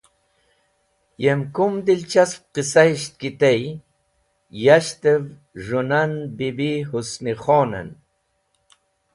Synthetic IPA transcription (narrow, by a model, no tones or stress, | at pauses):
jemkʊmd̪ɪlt͡ʃasp̚qɪsajʃt̪̚kɪt̪aj | jaʃt̪a | ʐʊnanbibihʊsmɪχona̰n